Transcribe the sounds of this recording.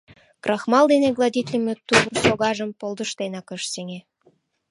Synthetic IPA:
krʔɑxmɑld̪eneɣlˠɑd̪ʲit̪ʲlʲimʲøt̪uβrsoɣɑʒəmpolˠd̪əʃt̪enɑkəʃseŋe

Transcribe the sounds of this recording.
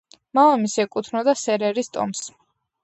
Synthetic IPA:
malamisɛkʼut̪ʰnɔd̪asɛɾɛɾist̪ʼɔ̰ms

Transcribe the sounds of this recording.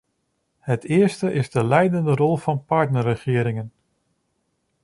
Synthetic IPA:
hətʰɪəɹstəʔɪzdəlɛjdəndərɔlˠfɑnpaɹtnərəχɪəɾɪŋən

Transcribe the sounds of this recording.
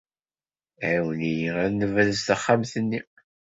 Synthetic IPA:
ʕwənijəʁænəvæðəzt̪əχːamθənːi

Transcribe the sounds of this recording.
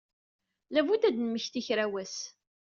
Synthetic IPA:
lævud̪æd̪nməçθiçɾæwæs

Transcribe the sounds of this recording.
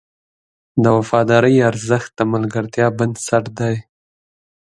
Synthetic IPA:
d̪əwafɑd̪ɑɾəjaɾzəxt̪̚d̪əmalɡaɾt̪jɑband̪saʈd̪aj

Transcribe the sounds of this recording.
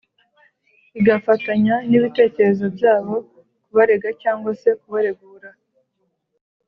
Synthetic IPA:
iɡafataɲaniβite̞ːce̞ɾe̞zo̞bjaːβo̞ | kuβaɾe̞ɡacaːŋɡwase̞kuβaɾe̞ɡuːɾa

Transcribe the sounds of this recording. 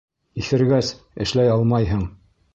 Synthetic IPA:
iθɘ̆ɾɡæs | ɘ̆ʃlæjɑlˠmɑjɦɤɴ

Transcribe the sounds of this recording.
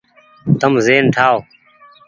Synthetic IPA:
t̪əmzeːnʈʰaːo

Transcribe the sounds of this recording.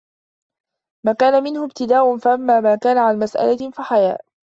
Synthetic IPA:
maːkaːnamɪnhʊbt̪ɪd̪aːʔʊnfaʔamːaːmaːkaːnaʕanmasʔa̰lafaħaja̰ːʔ

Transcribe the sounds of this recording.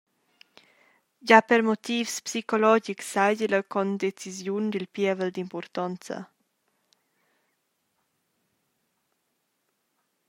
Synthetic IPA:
ɟapəɾmot̪ifspsikolɔd͡ʒiksːajɟələkɔnd̪et͡sizjund̪ilpjɛvəld̪impɔɾt̪ɔnt͡sə̰

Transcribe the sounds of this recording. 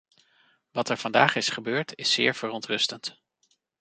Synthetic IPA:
ʋɑtɛɹv̥ɑndaːχɪsχəbøːɹtʰɪsːɪ̰ːɹv̥ərɔntrɵstənt

